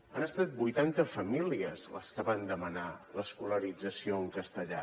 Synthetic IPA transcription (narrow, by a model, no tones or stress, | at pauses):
ənəst̪at̪̚bujt̪ant̪əfəmiliəzlə̰skəβand̪əmənaləskuləɾid͡zəsioəŋkəst̪əʎa̰